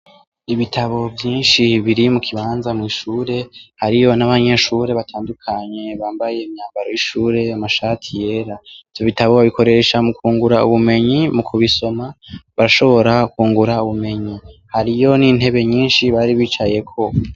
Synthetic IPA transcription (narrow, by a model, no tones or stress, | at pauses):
iβitʰaβo̞bjiːnʃiβiɾimukʰiβaːnzamŋiːʃuːɾe̞haɾijo̞naβaɲe̞ʃuːɾe̞βatʰaːndukʰaɲe̞βaːmbaje̞ːmɲaːmbaɾo̞jiʃuːɾe̞amaʃaːtʰije̞ːɾaivjo̞βitaβo̞βaβiko̞ɾe̞ʃamukʰuːŋɡuɾaṵβume̞ɲimukʰuβiso̞maβaɾaʃo̞βo̞ɾakuːŋɡuɾauβume̞ɲihaɾijo̞nin̥he̞βe̞ɲiːnʃiβaɾiβiːt͡ʃaje̞kʰo̞